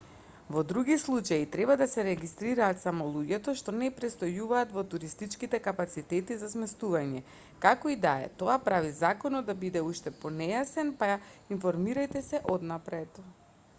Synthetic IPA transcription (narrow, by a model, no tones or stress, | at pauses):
vɔd̪ɾuɡislˠut͡ʃait̪ɾɛbad̪asɛɾɛɡist̪ɾiɾaːt̪samɔlˠuɟɛt̪ɔʃt̪ɔnɛpɾɛst̪ojuvaːt̪vɔt̪uɾist̪it͡ʃkit̪ɛkapat̪sit̪ɛt̪izasmɛst̪uvaɲɛ | kakɔid̪aɛ̰t̪oapɾavizakɔnɔd̪ːabid̪ɛuʃt̪ɛpɔnɛjasɛnpainfɔɾmiɾajt̪ɛsɛʔɔd̪napɾɛt̪